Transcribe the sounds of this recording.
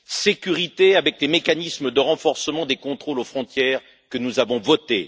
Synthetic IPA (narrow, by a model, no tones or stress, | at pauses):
sekʲyʁit̪eavɛk̚lemekanisməd̪əʁɑ̃fɔʁsəmɑ̃d̪ekɔ̃t̪χolofχɔ̃t̪jɛːʁ | kənuzavɔ̃vɔt̪ḛ